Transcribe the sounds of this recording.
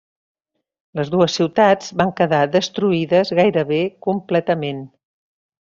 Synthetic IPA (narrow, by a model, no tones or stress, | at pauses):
ləzðuəsːiwt̪ad͡zβaŋkəðaðəst̪ɾuiðəzɣajɾəβekumplɛt̪əmen